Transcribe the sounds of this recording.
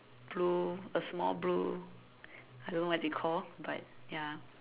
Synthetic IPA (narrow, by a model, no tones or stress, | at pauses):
b̥luəsmɔ̰lblu | adõnowɔtikʰɔlbat̚ja